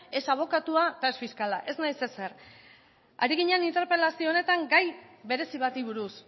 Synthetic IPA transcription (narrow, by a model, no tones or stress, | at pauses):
e̞saβ̞o̞kat̪uat̪aesfiskalaʔe̞znajse̞se̞r | a̰ɾiɣiɲeanint̪e̞ɾpe̞lasione̞t̪aŋɡajbe̞ɾe̞siβat̪iβ̞uɾus